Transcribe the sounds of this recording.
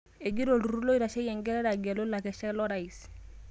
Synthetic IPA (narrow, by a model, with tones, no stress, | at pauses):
e˨ɡi˦ɾo˨lu˨ɾu˦lo˦i˦ɾa˨ʃɛ˦jɛ˨ŋɡɛ˦ɾɛ˦ɾa˨ɡɛ˨lo˦la˨kɛ˨ʃɛ˦lɔ˦ɾa˨i˨s